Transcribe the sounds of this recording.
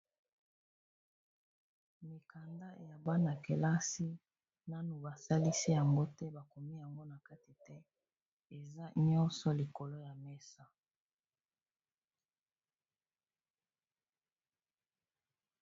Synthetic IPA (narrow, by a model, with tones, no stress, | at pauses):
mi˨ka˨nda˦˨ja˨ba˦na˨ke˨la˦si˦ | na˦nu˨ba˨sa˦li˦si˦ja˨ŋɡo˦tɛ˦ba˨ko˨mi˦ja˨ŋɡo˦na˨ka˦ti˨tɛ˦ | e˨za˦ɲɔ˦nsɔ˨li˨ko˨lo˦ja˨mɛ˦sa˦